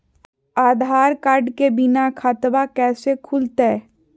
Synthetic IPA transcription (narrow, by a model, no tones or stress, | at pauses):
aːd̪ʱaːɾkaːɾɖkebɪnakʰat̪ʋakɛːsekʰʊlt̪eː